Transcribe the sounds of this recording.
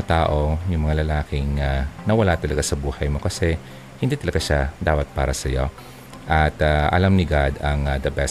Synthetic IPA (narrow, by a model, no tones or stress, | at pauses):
at̪aːʔo̞jʊŋmɐŋalɐlaːkɪŋanɐwɐlat̪ɐlɐɡasɐbuːhɐjmo̞kɐsɛ | hɪnd̪iːt̪ɐlɐɡaʃad̪aːpɐt̪̚paːɾɐsɐjo̞ | ʔɐt̪aʔɐ̰lamnɪɡad̪ɐŋad̪ɐbɛ